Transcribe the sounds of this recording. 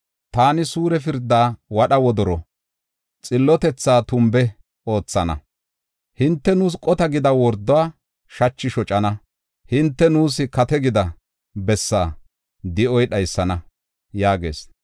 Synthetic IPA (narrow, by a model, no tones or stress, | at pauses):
t̪aːnɪsuːɾɛfɪɾd̪ːaːwɐɗɐwɔd̪ɔɾɔ | t͡sʼɪlːɔt̪ɛt͡sːaːt̪ʊmbɛ | o̞ːt͡sːɐnɐ̰ | hɪnt̪ːɛnuːs̬kʼɔt̪ɐɡɪd̪ɐwɔɾd̪ːɔwaː | ʃɐt͡ʃːɪʃɔt͡ʃʼɐnɐ | hɪnt̪ːɛnuːs̬ɪkɐt̪ɛɡɪd̪ɐ | bɛsːaː | d̪ɪɔjɗɐjsːɐnɐ | jaːɡe̞̰ːs